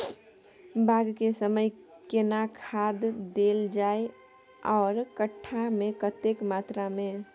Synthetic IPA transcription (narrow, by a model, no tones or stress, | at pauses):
bʱaɡkesəməj | kenakʰad̪ːeld͡ʒaːe | ɔːɾkəʈʰːamẽkət̪ekmat̪ɾamẽ